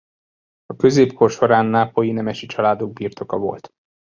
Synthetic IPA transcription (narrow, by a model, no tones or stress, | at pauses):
ɒkø̞zeːpkʰo̞rʃo̞ɾaːnːaːpojinɛmɛʃit͡ʃɒlaːd̪o̞ɡ̚biːrt̪o̞kɒvo̞̰lt̪